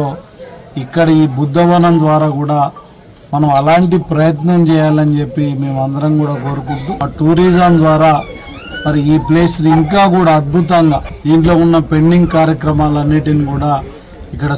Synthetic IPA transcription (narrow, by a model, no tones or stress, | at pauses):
oːikːɐɽɐiːbud̪ːɐʋɐnɐmd̪ʋaːɾaːkuːɽaː | mɐnɐmɐlaːɳʈipɾɐjɐt̪nɐmt͡ʃɛːjaːlɐnt͡ʃe̞pːime̞ːmɐnd̪ɐɾɐmkuːɽaːko̞ːɾukunt̪uʈuːɾiːd͡ʒɐmd̪ʋaːɾaː | mɐɾiiːpleːsniiŋkaːkuːɽaːɐd̪̚bʱut̪ɐŋɡaːd̪iːɳʈlo̞ːunːɐpe̞ɳɖiŋɡkaːɾjɐkɾɐmaːlɐnːiʈinikuːɽaː | ikːɐɽɐ